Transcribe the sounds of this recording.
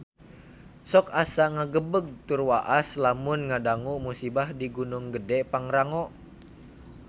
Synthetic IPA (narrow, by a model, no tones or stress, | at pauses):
sɔkasaŋaɡəbəɡ̚t̪urwaʔaslamʊnŋadaŋuʔmusibahdiɡunuŋɡədɛpaŋɾaŋɔʔ